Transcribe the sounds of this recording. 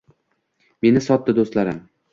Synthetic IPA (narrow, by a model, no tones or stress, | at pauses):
me̞nɪsɒt̪ːɪd̪ost̪laɾɪm